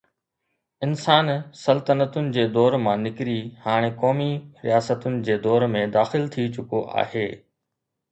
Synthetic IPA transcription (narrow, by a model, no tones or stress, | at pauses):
ɪnsaːnsɐlt̪ənət̪ʊnɪ̆d͡ʑeːd̪ɔːɾmãːnɪkɾihaːɽ̃ekɔːmiɾijaːsət̪ʊnɪ̆d͡ʑeːd̪ɔːɾmẽd̪aːxɪlt̪ʰit͡ɕʊkoʔa̰ːheː